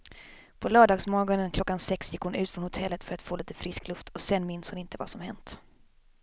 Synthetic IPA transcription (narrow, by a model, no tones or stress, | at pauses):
pʰɔlœːɖɑːɡsmɔɾɡɔnənkʰlɔkːansɛksjɪkːhʊnʉ̟ːt̪fɾɔnhʊt̪ʰɛlːət̪fœɾat̪foːliːt̪əfɾɪsklɵft̪ʰɔsɛnːmɪnːshʊnɪnt̪əva̰sɔmhɛnt̪